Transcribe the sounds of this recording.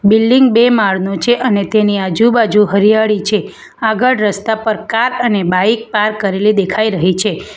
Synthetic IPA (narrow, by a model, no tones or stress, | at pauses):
bilːiŋɡ̚bemaɭnot͡ʃʰeʔənet̪eniad͡ʒubad͡ʒuɦəɾijaɭit͡ʃʰe | aɡəɭɾəst̪apəɾkaɾənebaik̚paɾkəɾelid̪ekʰaiɾəɦit͡ʃʰe